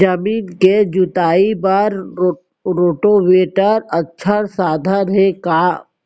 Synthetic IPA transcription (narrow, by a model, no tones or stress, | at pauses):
d͡ʒəmiːnked͡ʒʊt̪aːibaɾ | ɾoːʈoʋeːʈəɾətːʃʰasaːd̪ʱənɦɛkaː